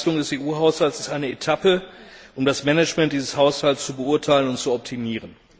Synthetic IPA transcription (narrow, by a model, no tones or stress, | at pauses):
lʊŋdɛseːʔuːɦaʊshalsɪstʔaɪnəetʰapəʔʊmdasmɛnɛt͡ʃmɛnt̚d̥iːzəshaʊshalst͡subəʊɐtʰaɪlənʊntt͡suɔp̚tʰimiːʁən